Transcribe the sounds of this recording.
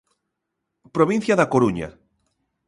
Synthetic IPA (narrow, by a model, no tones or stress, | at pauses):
pɾoβin̟θjaðakoɾuɲa̰